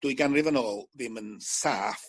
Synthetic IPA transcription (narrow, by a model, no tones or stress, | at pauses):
d̥uːɨjɡanrɪvənoːlˠðɪmənsaːf